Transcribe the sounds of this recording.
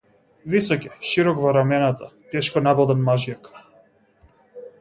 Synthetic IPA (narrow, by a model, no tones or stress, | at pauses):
visɔcʲɛʃiɾɔkvɔɾamɛnat̪at̪ɛʃkɔnabɔd̪ɛnmaʒjak